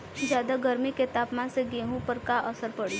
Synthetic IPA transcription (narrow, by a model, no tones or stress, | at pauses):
d͡ʒjaːd̪aɡɐɾmiket̪aːpmaːnseɡeːɦũpɐɾkaʔɐsəɾpɐɽi